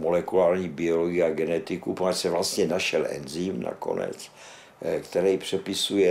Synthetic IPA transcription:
molɛkulaːɾɲiːbɪoloɡɪjɛaɡɛnɛt̪ɪkuponasɛvlast̪ɲɛnaʃɛlʔɛ̰nzimna̰ko̰nɛ̰t͡s | kt̪ɛɾɛjpr̝̥ɛpɪsujɛ

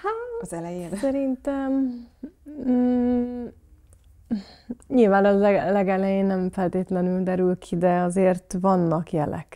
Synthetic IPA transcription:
hazɛlɛjeːnsɛɾint̪ɛm | ɲilvaːnɒlɛɡɛlɛjeːnːɛɱfɛlt̪eːt̪lɛnyld̪ɛɾylkʰid̪ɛɒzeːrt̪vɒnːɒkjɛ̰lɛ̰k

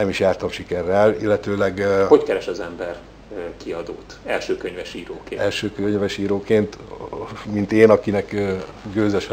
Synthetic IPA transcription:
nɛmiʃjaːrt̪omʃikɛrːɛlilːɛt̪øːlɛɡhockɛɾɛʃɒzɛmbɛr | kiɒd̪oːt̪ɛlʃøːkøɲvɛʃiːɾoːkeːɛlʃøːkøɲvɛʃiːɾoːkeːnt̪ | mint̪eːnɒkinɛkː | ɡøːzɛʃɛ

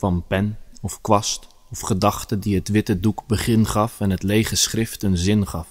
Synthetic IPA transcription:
fɑnpɛnɔfkʋɑst | ɔfχədɑχtədiətʋɪtədukbəχɪnχɑfɛnətleːχəsχrɪftənzɪnχɑf

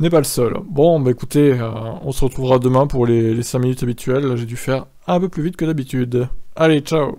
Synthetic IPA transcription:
nɛpaləsœlbɔ̃baekut̪eøɔ̃səʁət̪χuvʁad̪əmɛ̃puʁlelesɛ̃minyt̪abit̪ɥɛlːaʒed̪yfɛʁ | ɛ̃pøplyvit̪kəd̪abit̪yd̪alet͡ʃao

